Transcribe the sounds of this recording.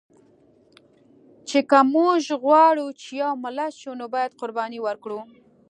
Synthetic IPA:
t͡ʃekamuʒɣwɑɽut͡ʃejawmalaʃunobɑjad̪qʊɾbɑniwaɾkɽu

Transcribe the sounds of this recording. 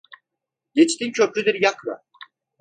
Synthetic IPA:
ɟet͡ʃt̪ʰincʰøpɾyd̪iɾjakɾa̰

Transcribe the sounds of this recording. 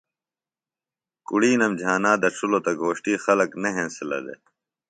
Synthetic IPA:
kuɽiːnɐmd͡ʑʱaːnaːd̪ɐʈ͡ʂʰulot̪ɐɡʱoːɕʈiːxɐlɐkneɦẽːsɪlɐ̰d̪ḛ

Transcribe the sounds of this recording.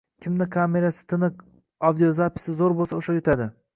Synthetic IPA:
kʲʰɪmnɪkʰame̞ɾasɪ̥t̪ʰɪnɪq | awd̪ijozapʰɪ̥sɪzoɾbolˠsaoʃajʊt̪ʰad̪ɪ

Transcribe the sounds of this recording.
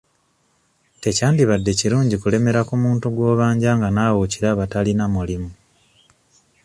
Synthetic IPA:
te̞caːndiβadːe̞ciɾuːɲɟikule̞me̞ɾakumuːntuɡwo̞ːβaːɲɟaːŋɡanaːwociɾaβatalinamulimu

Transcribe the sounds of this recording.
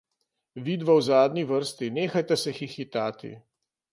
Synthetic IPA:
ʋiːd̪ʋawzaːd̪nʲiʋəɾst̪ineːxajt̪ɛsɛxixit̪aːt̪ḭ

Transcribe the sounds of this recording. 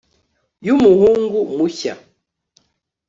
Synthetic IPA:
jumuhuŋɡumuça̰

